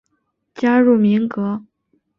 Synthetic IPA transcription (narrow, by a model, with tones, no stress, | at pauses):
t͡ɕja˥ɻu˥˩mi˧˥ŋkɤ˧˥